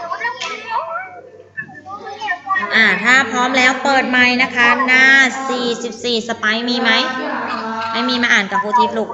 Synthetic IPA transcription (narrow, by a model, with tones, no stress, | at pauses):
ʔaː˧˩t̪ʰaː˥˩pʰɾɔː˦˥mlɛː˦˥wpɤː˨˩t̪̚ma˧˩jna˦˥kʰa˦˥naː˥˩˥siː˨˩si˨˩p̚siː˨˩sa˧pa˨˥˩jmiː˧ma˦˥j | ma˥˩jmiː˧ma˧ʔaː˨˩nka˨˩pʰuː˧˩t̪ʰiː˦˥p̚lu˨˩k̚